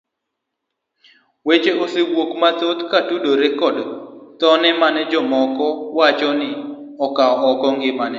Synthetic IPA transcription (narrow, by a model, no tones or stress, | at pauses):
wet͡ʃeosewokmat̪ot̪katudoɾekɔdt̪ɔnɛmanɛd͡ʒɔmɔkɔwat͡ʃɔnɪ | ɔkaɔɔkɔŋɡɪmanɛ